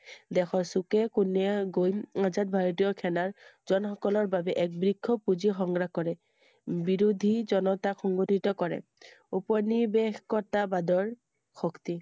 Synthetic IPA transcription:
dɛxɔsukɛkunɛɡojmazat̚bʱaɹɔtijɔkʰɛnaɹzɔnxɔkɔlɔɹbabɛʔɛk̚bɹikʰːɔpuzixɔŋɡɹakɔɹɛ | biɹud̪ʱizɔnɔtaxɔŋɡɔtitɔkɔɹɛ̰ | upɔnibexkɔɹtabadɔɹ | xɔkti

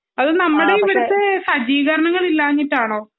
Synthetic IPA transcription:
ɐðɨnɐmːuɽe̞iʋɐɾut̪ːɨsɐd͡ʑiːɣɐɾɐɳɐŋːɐɭilːaːɲːitːaːɳoː

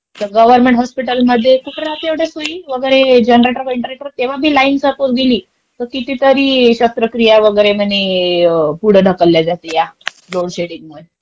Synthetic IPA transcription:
t̪əɡəʋəɾmeɳʈɦɔspiʈəlməd̪ʱːjekuʈɽat̪eʋɽjasɦoiːʋəɡəjɾed͡ʑənɾeʈəɾkiɳʈɾeʈəɾt̪eʋ̤abʱiːlainsəpoɾ̚ɡeliː | t̪əɾkit̪iːt̪əɾiːɕəst̪ɾəkɾijaʋəɡəjɾem̤əne | puɽ̤əɖʱəkəlːjad͡zat̪eja | loɽɕeɽiŋɡməd̪ʱ

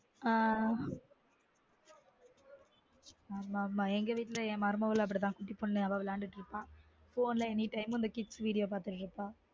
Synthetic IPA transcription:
aː | aːmaːmaːɛŋɡɐʋiːʈːɪlɐɛ̃ːmɐɾɯmɐʋɐlɐp̬ːɐɽit̪ãːkʊʈːipːɔɳnɯɐʋaʋlaːɳɖɯʈːɪɾɯpːãː | foːnlɐɛnːiʈɐɪmɪnd̪ɐkɪʈsʋiːɽɪjoːp̬aːɾt̪ɯʈːɾɯpːaː

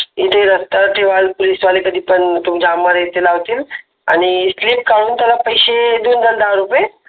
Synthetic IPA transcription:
it̪ʰeɾəst̪aʈʰeʋalpolisʋalekəd̪ʱiːpəɳt̪umd͡ʑaməɾjet̪elaʋt̪iːl | a̰ɽ̃isliːp̚kaɽuːnt̪jalapəjɕed̪ond̪əld̪aʋɾupe

